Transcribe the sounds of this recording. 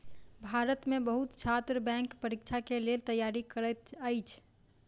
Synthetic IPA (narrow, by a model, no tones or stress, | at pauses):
bʱaɾət̪mebəɦut̪t͡ʃʰat̪ɾəbɛ̃ŋkpəɾikt͡ʃʰakelelt̪əjaɾikəɾət̪əjt͡ʃʰ